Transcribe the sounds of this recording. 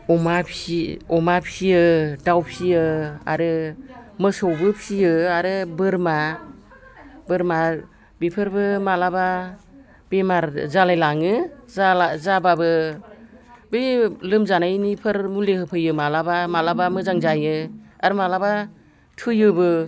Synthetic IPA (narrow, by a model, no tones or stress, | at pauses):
ɔmapʰiɔmapʰijɯdawpʰijɯa̰ɾɯmɯsɔwbɯpʰijɯaɾɯbɯɾma | bɯɾma | bipʰɯɾbɯmalaba | b̥emaɾzalajlaŋɯzazababɯ | bɯjlɯmzanajnipʰɯɾmulehɯpʰɯjɯmalabamalabamɯzaŋzajɯaɾɯmalaba | tʰɯjɯbɯ